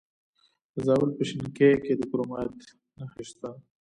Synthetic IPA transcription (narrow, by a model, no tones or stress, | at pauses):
zɑwəlpəʃɪŋkeked̪əkɾomɑt̪ | naxiʃt̪a